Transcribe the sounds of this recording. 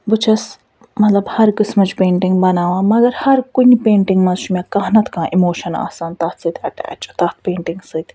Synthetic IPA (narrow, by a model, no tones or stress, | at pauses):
but͡ʃʰɐs | mɐt̪lɐbhɐɾkɨsmɐt͡ʃpeːɳʈiŋɡbɐnaːʋãːmɐɡɐɾhɐɾkunʲipeːɳʈiŋɡmɐzʃumekɐɦnɐt̪ʰkãːʔimoːʃɐna̰ːsaːnt̪ɐt̪sɨt̪ʰʲɐʈa̰ːt͡ʃt̪ɐt̪̚ʰpeːɳʈiŋɡsɨt̪ʲ